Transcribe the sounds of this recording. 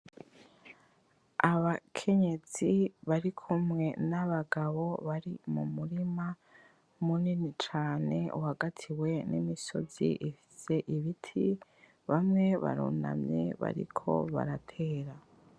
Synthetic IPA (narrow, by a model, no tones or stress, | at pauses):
aβakʰe̞ɲe̞ziβaɾikʰumŋe̞naβaɡaβo̞βaɾimumuɾima | muninit͡ʃaːne̞ʔuhaɡatʰiwe̞nimiso̞̰zḭʔifi̥se̞ʔiβitʰi | βamŋe̞βa̰ɾṵna̰mɲḛβa̰ɾḭkʰo̞̰βa̰ɾatʰe̞ːɾa